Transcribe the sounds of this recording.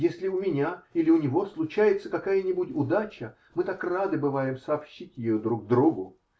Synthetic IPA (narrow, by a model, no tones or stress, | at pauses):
jesʲlʲɪʊmʲɪnʲailʲɪʊnʲɪvo̞slˠʊt͡ɕæjɪt̪səkɐkajənʲɪbʊtʲʊd̪at͡ɕə | mɨt̪akrad̪ɨbɨvajɪmsɐːpɕːitʲjɪjod̪ɾuɡd̪ɾuɡʊ